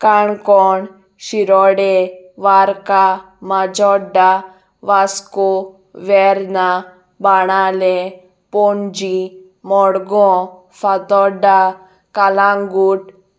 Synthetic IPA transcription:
kaɳkɔɳ | ʃiɾɔɽɛʋaɾka | mad͡ʒɔɖa | ʋasko | ʋɛɾna | baɽ̃ale | pɔnd͡ʒi | mɔɽɡɔ̃ | fat̪ɔɖa | kalaŋɡuʈ

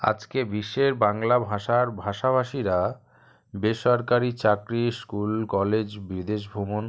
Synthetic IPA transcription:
a̰d͡ʑkebiʃːeɾbaŋlabʱaʃaɾbʱaʃabʱaʃiɾa | beʃɔɾkaɾit͡ɕakɾiskulkɔled͡ʑbɾid̪eʃ̬bʱumon

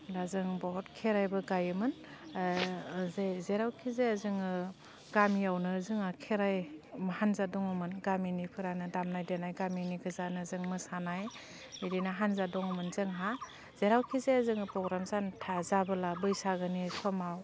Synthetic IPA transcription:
lazɯŋbɔɦɔtkʰeɾajbɯɡajɯmɯn | zezeɾawkʰizeazɯŋɯ | ɡ̥amiawnɯzɯŋakʰeɾajmhanzadɔŋɯmɯnɡaminipʰɯɾanɯdamnajdenajɡaminiɡʰɯzanɯzɯŋmɯsanaj | iɾinaɦanzadɔŋɔmɯnzɯŋɦa | z̥eɾawkʰizeazɯŋɯpɾɔɡɾamzantʰazabɯlabɯjsaɡɯnisɔmaw

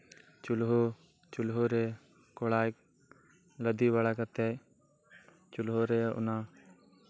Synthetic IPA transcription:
t͡ʃulɦo | t͡ʃulɦoɾɛ | kɔɽajk̚ | ləd̪iwaɽakat̪ɛ | t͡ʃulɦoɾɛʔʊ̰na

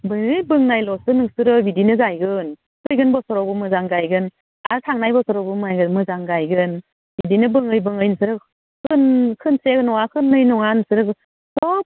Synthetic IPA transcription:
bɯŋɯjbɯŋnajlɔsɯnɯŋsɯɾɯbidinɯzajɡɯn | kʰɯjɡɯnbɔsɔɾɔbɯmɯzaŋɡajɡɯn | aɾtʰaŋnajbɔsɔɾɔbumɯajɡɯnmɯzaŋɡajɡɯn | bidinɯbɯŋɯjbɯŋɯjnɯsɯɾɯ | kʰɯnkʰɯnseknɔŋakʰɯnːɯjnɔŋanɯsɯɾɯ | sɔp̚

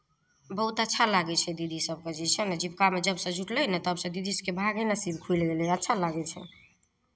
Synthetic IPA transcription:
bəɦut̪ətːʃʰalaɡɛt͡ʃʰɛd̪id̪ʱisəb̚ked͡ʒit͡ʃʰɛnəd͡ʒib̚kamed͡ʒəbsə̃d͡ʒʱuʈlɛnɛt̪əbsə̃d̪id̪isəkebʱaɡɛnasibkʰujlɡelɛətːt͡ʃʰalaɡɛt͡ʃʰɛ̰

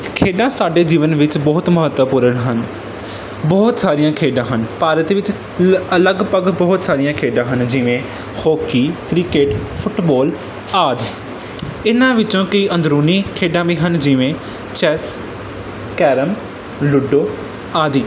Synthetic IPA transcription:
kʰeːɖãːsaːɖeːd͡ʒiːʋənʋɪt͡ʃbɔːt̪məɦət̪ʋəpʊɾənɦən | bɔːt̪saːɾijãːkʰeːɖãːɦənpaːɾət̪ʋɪt͡ʃ | ələɡpəɡbɔːt̪saːɾɪjãːkʰeːɖãːɦənd͡ʒɪʋẽː | hoːkiːkɾɪkeːʈpʰʊʈbɔːl | aːd̪ | ɪnãːʋɪt͡ʃõːkəiːʔə̃nd̪ɾuːniːkʰeːɖãːʋiːɦənd͡ʒɪʋẽː | t͡ʃɛs | kɛːɾəm | lʊɖoː | aːd̪iː

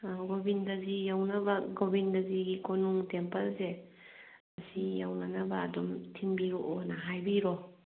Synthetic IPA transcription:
ɡobindɐzijawnɐbɐɡobindɐziɡikonuŋtempɐlse | ɐsijawnɐnɐbɐːdɔmtʰiŋbiɾuʔonɐɦajbiɾɔ

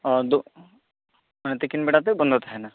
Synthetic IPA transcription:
ɔd̪u | t̪ekinbeɽat̪ebɔnd̪ʱɔt̪aɦɛna

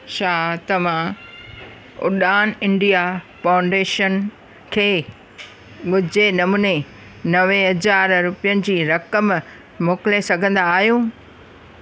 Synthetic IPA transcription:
ʃʰaːt̪ɐʋ̤ã | ʊ̰ɗaːnɪ̃ɳɖijafãːʊ̃ɳɖeːʃən | kʰeː | ɓʊd͡ʑenɐmuːne | nɐʋeɦɐzaːɾɾʊpijənɪ̆d͡ʑiːɾɐkəm | moːkɪlesɐɡʱə̃nd̪aːɦijũː

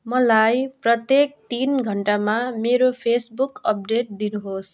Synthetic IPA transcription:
mʌlajprʌt̪jek̚t̪inɡʱʌɳʈamameɾopʰesbukʌp̚ɖeʈ̚d̪inuɦos

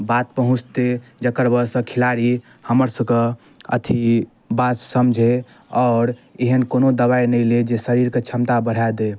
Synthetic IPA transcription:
bat̪̚pəɦũt͡ʃʰt̪ed͡ʒəkəɾbəɾsə̃kʰilaɾi | həməɾsəkə | ə̰t̪ʰi | bat̪səmd͡ʒʱe | ɔɾeɦənkonod̪əβainəjled͡ʒesəɾiɾket͡ʃʰəmt̪abəɽ̤ad̪e

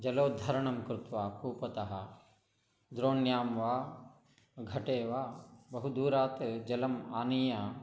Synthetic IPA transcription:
d͡ʒɐloːd̪ʱɐɾɐɳɐmkɾut̪ʋaːkuːpɐt̪ɐɦɐ | d̪ɾoːnjaːmʋaː | ɡʱɐʈeːʋaːbɐɦud̪uːɾaːt̪d͡ʒɐlɐmaːnijɐ

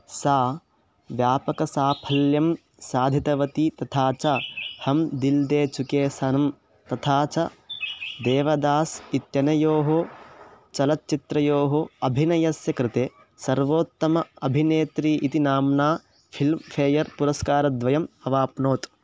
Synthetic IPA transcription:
saː | ʋjaːpɐkɐsaːpʰɐljɐm | saːd̪ʱit̪ɐʋɐt̪iːt̪ɐt̪ʰaːt͡ʃahɐmd̪ild̪eːt͡ʃukeːsɐnɐm | t̪ɐt̪ʰaːt͡ʃɐ | d̪eːʋɐd̪aːsit̪jɐnɐjoːɦo | t͡ʃɐlɐt̪̚t͡ʃit̪ɾɐjoːɦoɐbʱinɐjɐsjɐkɾɪt̪eː | sɐɾʋoːt̪ːɐmɐɐbʱineːt̪ɾiːʔit̪inaːmnaː | pʰilmpʰeːjɐɾpuɾɐskaːɾɐd̪ʋɐjɐmɐʋaːpnoːt̪

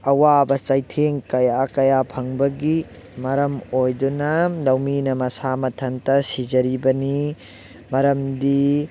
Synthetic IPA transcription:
ɐwabɐt͡ʃajtʰeŋkɐjakɐjapʰɐŋbɐɡi | mɐɾɐmojdunɐlɐwminɐmɐsamɐtʰɐntɐsid͡ʒɐɾibɐni | mɐɾɐmdi

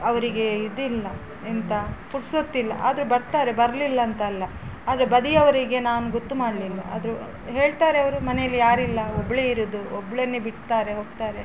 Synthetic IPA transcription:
ɐʋɐɾiɡe̞id̪ilːɐ | ent̪ɐpuɽsot̪ːilːɐ̰ʔa̰ːd̪ɐɾebɐɾt̪aːɾe̞bɐɾɐlilːɐːnt̪ɐːlːɐ | aːd̪ɾebɐd̪iɐʋɐɾiɡe̞naːnuɡot̪ːumaːɖlilːɐa̰ːd̪ɐɾu | ɦe̞ːɭt̪aːɾeɐʋɐɾumɐnejɐlːijaːɾilːɐobɐɭeiɾud̪uobɐɭeɐnːebiʈt̪aːɾe̞ɦo̞ːɡ̚t̪aːɾe̞

